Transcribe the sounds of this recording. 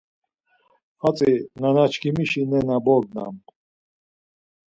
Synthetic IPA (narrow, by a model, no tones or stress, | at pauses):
at͡sʼinanat͡ʃʰkʰimiʃinɛnabɔɡna̰m